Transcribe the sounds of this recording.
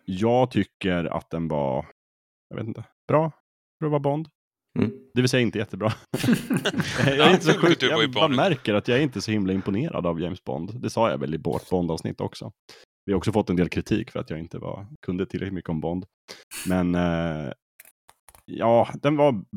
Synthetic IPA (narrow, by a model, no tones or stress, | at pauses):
jɑːɡt̪ʰʏkːəɾa̰t̪̚d̪ɛnva̰ | jɑvḛːt̪ɪnt̪ə | b̥ɾɑː | t̪ɾuːɖɛvabɔnd̪ | d̪̥ɛvɪlsɛjːaɪnt̪əjɛt̪ːəbɾɑː | jɛɾɪnt̪əsɔɧʉkjɑmæɾkəɾat̪jɑæɾɪnt̪əsɔhɪmlaɪmpʊneːɾʔa̰d̪avjɛɪmsbɔ̰nd̪d̪ɛsɑːja̰vɛ̰lɪbɔ̰ːʈbɔnd̪ɑːvsnɪ̰t̪ːɔ̰ksɔ | vɪhaɾɔksɔfɔt̪ːɛnd̪eːlkʰɾɪt̪ʰḭːkfœɾat̪jɑːɡɪnt̪əva̰kʰɵnd̪ət̪ʰɪlɾɛklɪt̪mʏkːəɔmbɔnd̪ | mɛn | jɑːd̪ɛnva